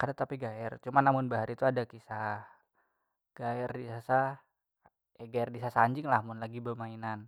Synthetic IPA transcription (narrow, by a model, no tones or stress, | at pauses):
kadat̪apiɡaɛrt͡ʃumanːamʊnbaɦaɾit̪uadakisah | ɡ̥aɛrdisasa | jaɡaɛrdisasaɲd͡ʒɪŋlahmʊnlaɡibəmainan